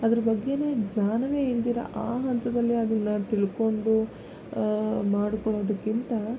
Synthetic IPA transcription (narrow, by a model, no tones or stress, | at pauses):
ɐd̪ɐɾɐbɐɡːe̞ne̞ːɡɲaːnɐʋe̞ːiɾd̪iːɾɐ̰ʔaːɦɐnt̪ɐd̪ɐlːiɐd̪ɐnːɐt̪iɭko̞ɳɖu | maːɽikɔɭoːd̪ɐkːint̪ɐ